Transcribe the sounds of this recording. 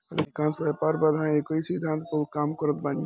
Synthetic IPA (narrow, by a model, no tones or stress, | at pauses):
əleikãnsbɛpaːɾbəd̪ʱaẽekoisid̪ʱãnt̪kokaːmkəɾət̪ban